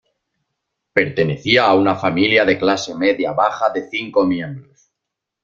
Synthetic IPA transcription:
pe̞ɾt̪e̞ne̞θiaːunafamiljaðe̞klase̞me̞ðjaβaχaðe̞θiŋko̞mjẽ̞mbɾos

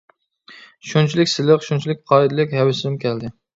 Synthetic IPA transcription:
ʃunt͡ʃʰilɪkʲsɪlɪqʃunt͡ʃʰilɪk̚ʲqʰɑːɪd̪ɪlˠɪkʲɦɛwɪsɪmɪmkʲʰɛld̪ɪ

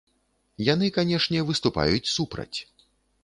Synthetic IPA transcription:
jan̪ɨkanʲɛʂnʲɛvɨst̪upa̰jut͡sʲsupɾɐ̰t͡sʲ

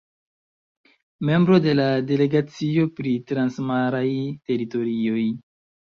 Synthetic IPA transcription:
me̞mbɾo̞de̞lade̞le̞ɡat͡sio̞pɾitɾansmaɾajte̞ɾito̞ɾio̞j

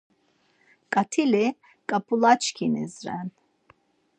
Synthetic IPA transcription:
kʼat̪ʰilɛ | kʼapʰʼulat͡ʃkʰinɛ̰zɾɛn

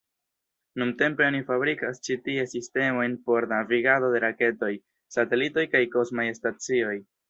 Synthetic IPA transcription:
numte̞mpeonifabɾikast͡ʃitie̞siste̞mo̞jnpo̞ɾnaviɡado̞de̞ɾake̞to̞j | sate̞lito̞jkajko̞smajstat͡sio̞j

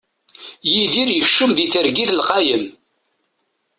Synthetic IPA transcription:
jiðiɾjəfʃːʊmðiθəɾɡiθlqɑjəm

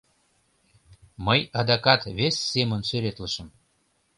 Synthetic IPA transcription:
məjɑd̪ɑkɑt̪βesʲːemənsøɾet̪ləʃə̆m

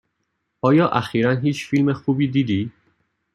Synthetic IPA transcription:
ʔɒːjɒːʔæxiːɾænɦiːt͡ʃfilmexuːbiːd̪iːd̪iː

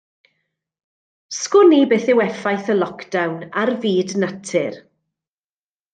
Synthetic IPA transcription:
skʊnibeːθɪwɛfajθəlˠɔkʰd̥awnarviːdnatʰɪr

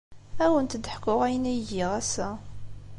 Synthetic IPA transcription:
æwənt̪d̪ħkʊʁæjənæjʝɪʁæsːæ

